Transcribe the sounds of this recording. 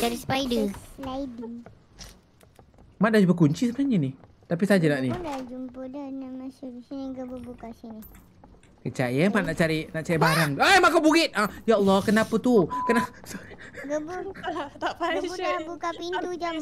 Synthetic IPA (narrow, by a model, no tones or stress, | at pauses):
daɾispajdəlaidi | maʔ̚dad͡ʒubəkuɲt͡ʃisəbənaɲəni | t̪apisad͡ʒanaʔnidad͡ʒumpudənamasubisiniɡəbubukasini | kət͡ʃajamaʔ̚naʔt͡ʃaɾiʔnaʔt͡ʃaɾibaɾaŋʔajmaʔkabuɡɪt̪̚ʔajaɔlːɔhkənapət̪ukənasɡəbuapauabukapint̪ud͡ʒa